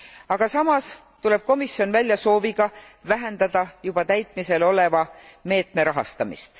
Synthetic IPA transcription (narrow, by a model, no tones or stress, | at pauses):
ɑɡ̥ɑsɑmɑs | t̪ule̞b̥̚ko̞misjo̞nvælʲjɑso̞ːviɡ̥ɑ | væɦe̞nd̪̥ɑd̪̥ɑjub̥ɑt̪æjt̪ˑmise̞lo̞le̞vɑme̞ːt̪ˑme̞ɾɑɦɑ̰st̪ɑmḭst̪